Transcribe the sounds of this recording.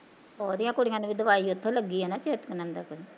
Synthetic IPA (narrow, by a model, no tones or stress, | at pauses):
ɔːd̪ɪjãːkʊɽɪjãːnũːbiːd̪əʋaːiːʊt̪ʰːõːləɡːiːɦɛːnaːt͡ʃeːt̪kənə̃nd̪aːkʊɾi